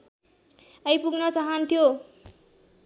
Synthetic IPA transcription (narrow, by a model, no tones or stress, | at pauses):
ʌjpuɡnʌt͡saɦʌnt̪ʰijo